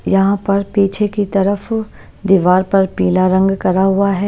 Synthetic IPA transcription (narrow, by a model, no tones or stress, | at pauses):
jɐɦãpɐɾpiːt͡ʃʰekit̪ɐɾəf | d̪iːʋaːɾpɐɾpiːlaɾɐ̃ŋɡkɐɾaɦʊaɦɛː